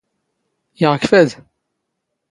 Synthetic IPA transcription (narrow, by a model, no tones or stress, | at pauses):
jəʁkfæd̪